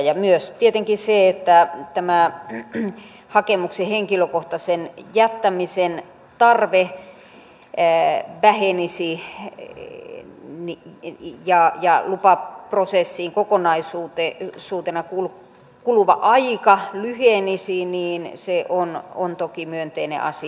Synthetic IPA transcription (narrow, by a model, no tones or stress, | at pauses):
jɑmyøst̪iet̪eŋkiseet̪ːæt̪æmæ | hɑkemukseheŋkiløkoht̪ɑsenjæt̪ːæmisen | t̪ɑrʋe | ʋæhenisi | nijɑjɑlupɑprosesːiːŋkokonɑisuːt̪esuːt̪enɑkul | kuluʋɑ̰ʔɑikɑlyhenisiniːnseʔono̰nt̪okimyønt̪einḛ̃ʔɑ̰si